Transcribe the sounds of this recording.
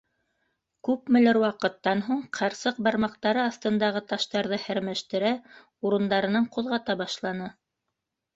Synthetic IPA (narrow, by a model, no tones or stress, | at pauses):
kʉpmɘ̆læɾwɑqɤ̆t̪ːɑnɦuɴqʰɑɾsɤq̚bɑɾmɑqt̪ɑɾɤɑθt̪ɤ̆nd̪ɑʁɤt̪ɑʃt̪ɑɾðɤhæɾmæʃt̪ɘ̆ɾæ | uɾɤ̆nd̪ɑɾɤ̆nɤɴqŏðʁɑt̪ɑbɑʃlˠɑnɤ